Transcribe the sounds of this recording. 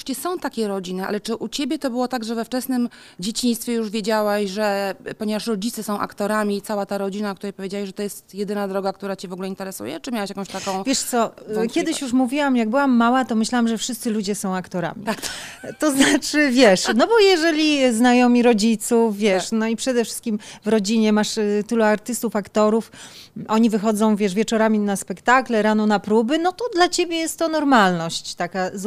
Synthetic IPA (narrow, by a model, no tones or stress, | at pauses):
t͡ɕɛsɔ̃w̃t̪akʲɛɾɔd͡ʑinɨa̰lɛt͡ʂɘʔut͡ɕebʲjɛt̪ɔbɘwɔt̪aɡʐɛvɛft͡ʂɛsnɘm | d͡ʑet͡ɕĩnst̪fʲɛjuʐvʲjed͡ʑawɛɕʐɛpɔɲevaʂɾɔd͡ʑit̪sɛsɔ̃w̃ʔa̰kt̪ɔɾamʲit̪sawat̪aɾɔd͡ʑinakt̪uɾajpɔvjed͡ʑawaɕʐɛt̪ɔjɛst̪jɛd̪ɘnad̪ɾɔɡakt̪uɾat͡ɕɛvɔɡulɛint̪ɛɾɛsṵjɛ̰t͡ʂɨmʲawaɕjakɔ̃ɕt̪akɔ̃w̃vʲjɛʂt̪sɔvkʲɛd̪ɘɕjuʂmuvʲiwamjaɡ̚bɘwamːawat̪ɔmɘɕlawamʐɛfʂɘst̪sɘlud͡ʑɛsɔ̃w̃akt̪ɔɾa̰mʲḭt̪ɔznat͡ʂɘvʲjɛʂnɔbɔjɛʐɛlʲiznajɔmʲiɾɔd͡ʑit̪sufvʲjɛʂnɔipʂɛd̪ɛfʂɘ̥st̪̚kʲimvɾɔd͡ʑiɲɛmaʂt̪ɘluaɾt̪ɘst̪ufakt̪ɔɾuf | ʔɔɲivɘxɔd̪zɔ̃w̃vʲjɛʂvʲjɛt͡ʂɔɾamʲinaspɛkt̪aklɛɾanɔnapɾubɘnɔt̪ɔd̪lat͡ɕebʲjɛjɛst̪ːɔnɔɾmalnɔɕt͡ɕt̪akaz